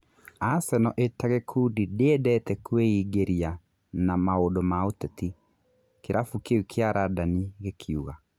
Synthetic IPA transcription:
asɛnɔʔetaɣekʰudideedɛtɛkweiːɡeɾia | namaodɔmaotɛti | keɾʔafukeukʰeaɾʔadaniɣekʰiuɣa

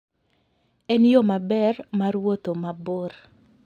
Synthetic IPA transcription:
ɛnjomabɛrmaɾwot̪omaboɾ

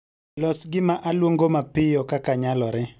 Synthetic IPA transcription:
lɔsɡɪmaʔalwoŋɡomapɪjɔkakaɲalɔɾɪ

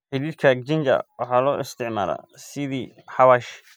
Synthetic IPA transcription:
ħɪliːrkʰɐk̚d͡ʒɪnd͡ʒɐ̰wɑħɑːlɔːʔɪst̪ʰɪʕma̰ːlɐ̰sɪðiː | ħɑwaːʃ

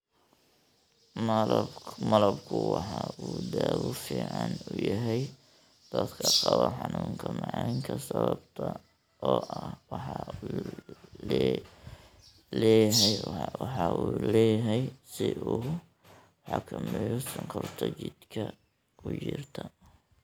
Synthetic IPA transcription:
lmɐlɐbkʰʊwɑħɑuːd̪aːwʊfiːʕɑnʊjɐɦɛj | d̪̥ɐd̪kʰɐqɑβɐħɑnuːŋkʰɐmɑʕɑːŋkʰɐsɐβɐbt̪ʰɐ | ɔːʔɐhwɑħɑ | lɛjɦɛjwɑħɑʔuːlɛːjɦɛjsɪʔuː | ħɑkʰɐmɛjɔsɪŋkʰɔrt̪ʰɐt͡ʃɪd̪kʰɐ | ʊjɪrt̪ʰɐ

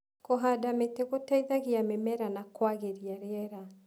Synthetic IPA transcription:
kɔɦadameteɣotaiðaɣiamemɛɾanakwaɣeɾiaɾeɛɾa

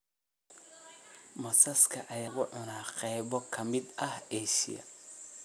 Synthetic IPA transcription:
mɐsɐskʰɐʔɐjaːɣʊʕʊnaːqɛːβɔkʰɐmɪd̪ɐheːʃɪ̰jɐ̰

